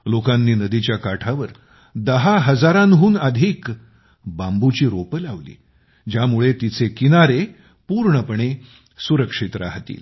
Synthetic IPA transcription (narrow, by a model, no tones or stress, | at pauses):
lokãnːiːnəd̪it͡ɕjakaʈʰaʋəɾ | d̪əɦaɦəd͡zaɾãnɦuːnəd̪ʱiːk | bambut͡ɕiːɾopəlaʋlḭː | d͡ʑjamuɭet̪it͡sekinaɾe | puɾɳəpəɳ̃e | suɾəkʂit̪ɾa̰ɦt̪ḭːl